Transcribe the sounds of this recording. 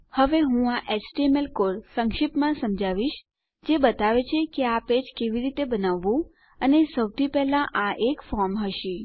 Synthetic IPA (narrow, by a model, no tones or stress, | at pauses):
həʋeɦũaʔesʈiemelkoɾsəŋkʃipmãsəmd͡ʒaʋiʃ | d͡ʒebət̪aʋet͡ʃʰekeaped͡ʒkeʋiɾit̪ebənaʋːũ | ənesəwt̪ʰipɛɦlãʔaʔekfɔɾmɦəʃi